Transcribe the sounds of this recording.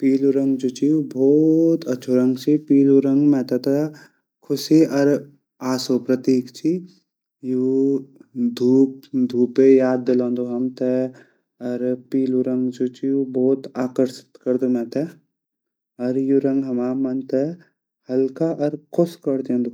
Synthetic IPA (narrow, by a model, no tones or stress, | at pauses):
piːluɾɐ̃ŋɡd͡ʒot͡ʃiubʱɔːt̪ɐːʃʰoɾɐ̃ŋɡt͡ʃʰipiːluɾɐ̃ŋɡmɛ̃ːt̪ɛt̪ɐ | kʰʊsiʔɐɾ | aːsoːpɾɐt̪iːkt͡ʃʰi | ju | d̪ʱuːp̚d̪ʱuːpejaːd̪̚ːɪlãːnd̪oɦɐmt̪ɛ | ɐɾpiːluɾɐ̃ŋɡd͡ʒot͡ʃiubɔːt̪aːkəɾʃɪ̥t̪kɐɾd̪omɛ̃ːt̪ɛ | ɐɾjuɾɐ̃ŋɡɦɐmaːmɐnt̪ɛ | hɐlkaʔɐɾkʰʊskɐɾd̪õːnd̪o